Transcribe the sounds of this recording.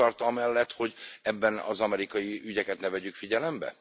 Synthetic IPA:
ɒrt̪ɒmɛlːɛt̪ho̞ɟɛbːɛnɒ̰zɒmɛɾikɒjiyɟɛkɛt̪nɛvɛɟykfiɟɛlɛmbɛ̰

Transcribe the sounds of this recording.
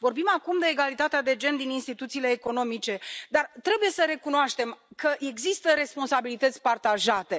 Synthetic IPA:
vo̞rbimakumd̪e̞ːɡalit̪at̪ead̪e̞d͡ʒe̞nd̪ininst̪it̪ut̪siːle̞ːko̞no̞mit͡ʃe̞d̪art̪ɾe̞buje̞səɾe̞kunoaʃt̪e̞mkəʔe̞ɡzist̪əɾe̞spo̞nsabilit̪ət̪sʲpart̪aʒat̪e̞

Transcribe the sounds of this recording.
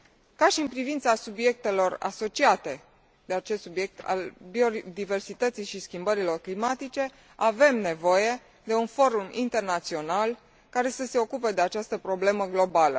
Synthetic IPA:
kaʃiɨnpɾivint̪sasubje̞k̚t̪e̞lo̞ra̰so̞t͡ʃiat̪e̞ | d̪̥e̞at͡ʃest̪subje̞k̚t̪ʰa̰lbio̞d̪ive̞rsit̪ət̪sijʃiskʲimbəɾilo̞rklimat̪it͡ʃe̞ | ave̞mne̞vo̞je̞ | d̪e̞unfo̞ɾumḭnt̪e̞rnat̪sio̞nal | kaɾe̞səse̞o̞kupe̞d̪e̞at͡ʃast̪əpɾo̞ble̞məɡlo̞balə̰

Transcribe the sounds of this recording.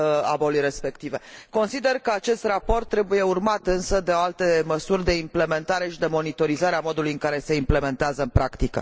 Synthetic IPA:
a̰bolujre̞spe̞kt̪ive̞ko̞nsid̪e̞rkəat͡ʃe̞st̪rapo̞rt̪ːɾe̞buje̞urmat̪ɨnsəd̪e̞oalt̪e̞məsurʲd̪e̞imple̞me̞nt̪aɾe̞ʃid̪e̞mo̞nit̪o̞ɾizaɾeamo̞d̪ulujɨŋkaɾe̞se̞imple̞me̞nt̪eazəɨmpɾʔakt̪ikə̰

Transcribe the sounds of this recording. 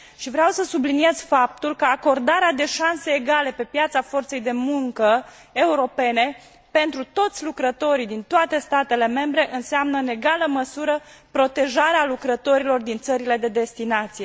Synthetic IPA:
ʃivɾeawsəsublinije̞z̥fap̚t̪ulkəako̞rd̪aɾead̪e̞ʃanse̞ːɡale̞pe̞pjat̪safo̞rt̪se̞jd̪e̞muŋkə | euɾo̞pe̞ne̞ | pe̞nt̪ɾut̪o̞t̪sʲlukɾət̪o̞ɾid̪int̪oat̪e̞st̪at̪e̞le̞me̞mbɾe̞ʔɨnsamnəne̞ɡaləməsuɾəpɾo̞t̪e̞ʒaɾealukɾət̪o̞ɾilo̞rd̪int̪səɾile̞d̪e̞d̪e̞st̪inat̪sije̞

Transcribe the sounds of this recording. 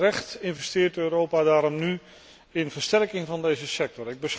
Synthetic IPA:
rɛχtɪnvɛstɪːɹtøːɾowpadaːɾɔmny | ɪnvəɹstɛrkɪŋvɑndejzəsɛk̚tɔɹɪɡ̚bəs

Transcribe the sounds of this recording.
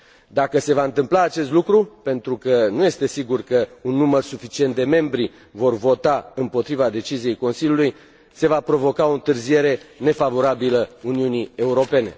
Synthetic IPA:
d̪akəse̞vaɨnt̪ɨmplaːt͡ʃe̞st̪lukɾupe̞nt̪ɾukənuje̞st̪e̞siɡurkəunːumərsufit͡ʃient̪̚d̪e̞me̞mbɾi | vo̞rvo̞t̪aɨmpo̞t̪ɾivad̪e̞t͡ʃizije̞jko̞nsilʲjuluj | se̞vapɾo̞vo̞kao̞ɨnt̪ɨrzije̞ɾe̞ne̞favo̞ɾabiləuniunie̞uɾo̞pe̞ne̞

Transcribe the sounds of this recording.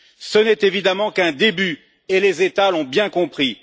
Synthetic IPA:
sənɛt̪evid̪amɑ̃kɛ̃d̪eby | elezet̪alɔ̃bjɛ̃kɔ̃pχi

